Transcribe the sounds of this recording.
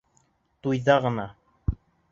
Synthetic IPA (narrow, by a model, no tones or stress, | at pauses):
t̪ʊjðɑʁna